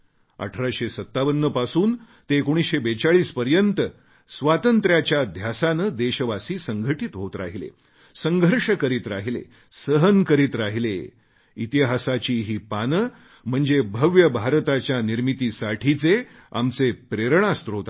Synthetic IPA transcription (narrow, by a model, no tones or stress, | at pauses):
ə̰ʈʰɾaɕesət̪ːaʋənːəpasuːn | t̪eːkoɽ̃isɕebet͡saɭiːspəɾjənt̪ə | sʋat̪ənt̪ɾjat͡ɕjad̪ʱjasanəd̪eɕəʋasiːsəŋɡʱəʈit̪ɦot̪ɾa̰ɦilḛ | səŋɡʱəɾʂəkəɾiːt̪ɾaɦilḛ | səɦənkəɾiːt̪ɾaɦile | it̪iɦasat͡ɕiːɦiːpanə | m̤əɳd͡zebʱəʋjəbʱaɾt̪at͡ɕjaniɾmit̪iːsaʈʰit͡se | a̰mt͡sepɾeɾɳ̃ast̪ɾot̪